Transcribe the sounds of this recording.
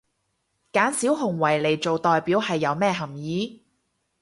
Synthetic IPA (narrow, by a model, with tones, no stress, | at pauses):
kaː˨˥nsiː˨˥wɦʊ˨˩ŋwɐ˨˩jle˨˩jt͡so˨wt̪ɔː˨jpiː˨˥whɐ˨jːɐ˨˧wmɛː˥˩ɦɐ˨˩mjiː˨˥